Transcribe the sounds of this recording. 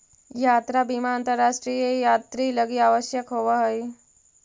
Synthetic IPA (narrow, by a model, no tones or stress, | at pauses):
jat̪ɾabimaːnt̪əɾːaʂʈɾijejat̪ɾiːləɡiːaʋəɕjəkɦoʋaɦəj